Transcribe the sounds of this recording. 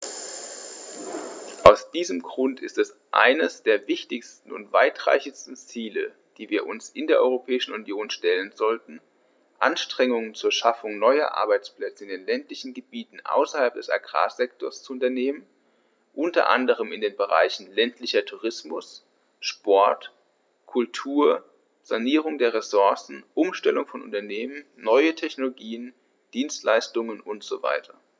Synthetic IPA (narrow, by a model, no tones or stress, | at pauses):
ʔaʊsd̥iːzəmɡʁʊntʰɪ̰stɛs | ʔa̰ɪnəsd̥eːɐvɪçtɪçstn̩ʊ̰ntv̥a̰ɪtʁ̥a̰ɪçɪstn̩t͡siːlə̰ | d̥iːviːɐʔʊnsɪndeːɐʔɔʏʁopʰɛːɪʃn̩ʊnjoːnʃtɛlənzɔltn̩ | ʔa̰nʃtʁ̥ɛŋʊŋənt͡suːɐʃafʊŋnɔʏɐ̰ʔa̰ɐbaɪt͡spl̥ɛt͡səɪndeːnlɛntlɪçn̩ɡəbiːtn̩ʔa̰ʊsɐhalp̚d̥ɛsa̰ɡʁa̰ːzɛktʰoɔɐst͡suʊntɐneːmən | ʔʊntɐ̰ʔa̰ndəʁ̞əmɪndeːnbəʁa̰ɪçn̩lɛntʰlɪçɐtʰuːʁɪsmʊs | ʃpɔɐt | kʰʊltʰuːɐ | z̥aniːʁʊŋdeːɐʁesʊɐsn̩ʔʊmʃtɛlʊŋfɔnʔʊ̰ntɐneːmənːɔʏətʰɛçnoloɡiːən | d̥iːnstlaɪstʊŋənʊntz̥o̰va̰ɪtʰɐ